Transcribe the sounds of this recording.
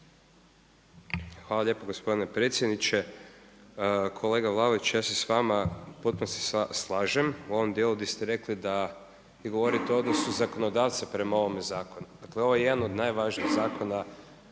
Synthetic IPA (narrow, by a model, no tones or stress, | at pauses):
xʋaːlaʎepoɡospod̪ine̞pɾeːt̪sjed̪nit͡ʃe | kʰo̞le̞ːɡaʋlˠaʋoit͡ʃjaːsesʋamapot̪̚punose̥sslˠaːʒemuo̞ʋomd̪jelˠud̪ist̪eɾe̞klid̪a | jiɡo̞ʋo̞ɾit̪eod̪no̞suzako̞nod̪aːʋt̪sapɾe̞mao̞ʋomezaːko̞nud̪akleo̞ʋojejed̪anod̪najʋaʒniːɣzaːko̞na